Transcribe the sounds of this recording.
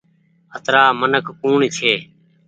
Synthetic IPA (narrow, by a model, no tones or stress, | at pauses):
ət̪ɾaːmənəkʰːuːɳit͡ʃʰeː